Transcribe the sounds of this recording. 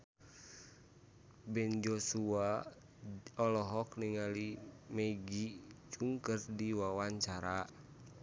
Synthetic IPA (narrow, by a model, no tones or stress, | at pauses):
bɛnd͡ʒɔsua | ɔlɔɦɔkniŋalimɛɡit͡ʃuŋkərdiwawaɲt͡ʃaɾa